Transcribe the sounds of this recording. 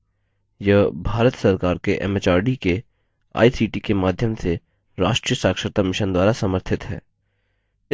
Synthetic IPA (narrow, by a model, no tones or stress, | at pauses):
jɐbʱaːɾət̪sɐɾkaːɾkeʔɛ̰met͡ʃaːɾɖike | a̰ːisiːʈikemaːd̪ʱjəmse | ɾaːʃʈɾijəsaːkʃəɾt̪amɪʃənd̪waːɾasɐməɾt̪ʰɪt̪ɦɛ̰ː